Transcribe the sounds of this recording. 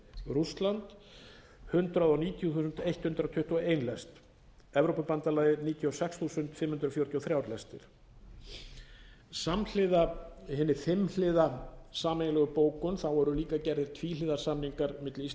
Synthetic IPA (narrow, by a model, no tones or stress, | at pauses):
ɾust̪lant̪ | hʏnt̪ɾaðawniːt̪ʰjuθuːsʏnt̪ejht̪hʏnt̪ɾawt̪ʰʏht̪uaeːjnlɛst̪ | ɛvɾowpʏpant̪alaːjðɪɾniːt̪ʰjiɔsɛksθusʏnt̪fɪmhʏnt̪ɾafjɔɾt̪jɔθɾjaːwɾlɛst̪ɪ̰ɾ̥ | saml̥ɪðahɛnːɪfɪml̥ɪðasaːmenlɛɣʏpoːwkʏnθawɛɾʏliːkacɛɾðɪɾ̥t̪ʰviːlɪːðasamniŋkaɾmɪt̪lɪis